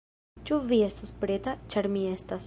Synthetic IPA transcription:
t͡ʃuviesəspɾet̪at͡ʃaɾmiɛst̪as

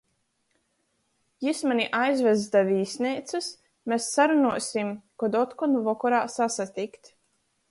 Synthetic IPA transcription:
jismanʲiʔajzvɛzd̪avʲiːsʲniːt̪sɨs | mesːaɾunuɔsʲimkɔd̪ɔt̪kɔnvɔkɔɾaːsasat̪ikt̪

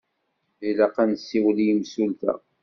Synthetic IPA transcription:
ilæqːænsːiwlijəmsult̪æ̰

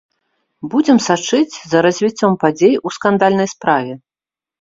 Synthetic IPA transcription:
bud͡zʲɛmsat͡ʂɨt͡sʲzɐɾɐzʲvʲit͡sʲːɔmpad͡zʲejuskand̪alʲnɐjspɾavʲɛ

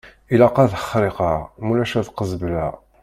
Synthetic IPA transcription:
ilɑqɑðəχɾˤiqɑʁmulæʃæðqəzəblæ

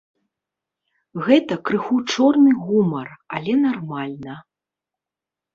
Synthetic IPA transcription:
ɣɛt̪ɐkɾɨxut͡ʂɔrnɨɣumɐralʲɛnarmalʲnɐ

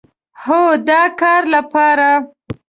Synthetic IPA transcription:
hod̪ɑkɑɾlapɑɾa

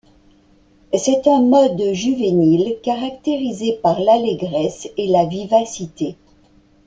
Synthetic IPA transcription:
sɛt̪ɛ̃mɔd̪ʒyvenilkaʁakt̪eʁizepaʁlaleɡʁɛselavivasit̪e

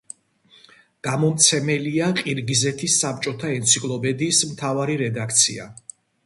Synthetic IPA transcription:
ɡ̥amɔmt̪sʰɛmɛliaqʼiɾɡizɛt̪ʰisːap̚t͡ʃʼɔt̪ʰaɛnt̪sʰikʼlˠɔpʰɛd̪iːsmt̪ʰavaɾiɾɛd̪ak̚ʰt̪sʰia̰

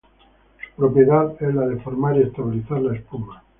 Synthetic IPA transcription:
su̥pɾo̞pje̞ðaðezlaðe̞foɾmaɾie̞st̪aβiliθaɾlaespuma

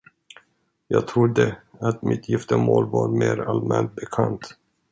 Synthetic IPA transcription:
jɑːɡ̚t̪ʰɾʊd̪əat̪mɪt̪ʰjɪft̪əmoːlvɑːɾmeːɾalmɛnt̪̚bɛkʰant̪

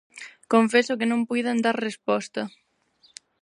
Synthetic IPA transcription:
koɱfesʊkɪnõmpujðand̪aɾrespɔst̪ɐ

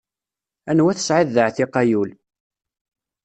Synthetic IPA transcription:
ænwæθə̥sʕɪðːəʕθiqɑjul

